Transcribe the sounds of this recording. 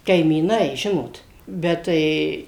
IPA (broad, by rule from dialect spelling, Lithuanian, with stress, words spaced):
kɐɪmʲiːˈnɐɪ ˈʒʲɪnoːt ˈbʲɛt tɐɪ